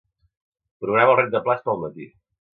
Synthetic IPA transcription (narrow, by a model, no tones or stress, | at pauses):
pɾuɣɾaməlˠret̪̚d̪əplat͡ʃpəlˠmət̪ḭ